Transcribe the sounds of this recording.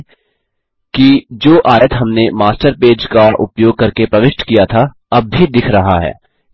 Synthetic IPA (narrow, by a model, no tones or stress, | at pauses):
kid͡ʒoːʔaːjət̪ɦɐmnemaːsʈəɾpeːd͡ʒkaʔʊ̰pjoːɡ̚kɐɾkepɾɐʋɪʃʈkijat̪ʰa | ɐb̚ːʱid̪ɪkʰɾɐɦaɦɛ̰ː